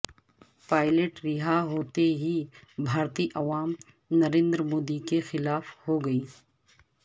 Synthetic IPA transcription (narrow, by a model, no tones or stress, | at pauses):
paːɪleʈɾɪɦaɦoːt̪eɦibʱaːɾt̪iʔɐʋaːm | nɐɾẽːnd̪ɾmoːd̪ikexɪlaːfhoɡɐiː